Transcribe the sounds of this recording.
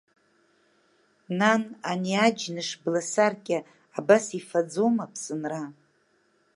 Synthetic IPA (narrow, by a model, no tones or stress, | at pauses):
nananiad͡ʒnɨʂblasarkʲʼɪ | abasifad͡zomapʰsɨnra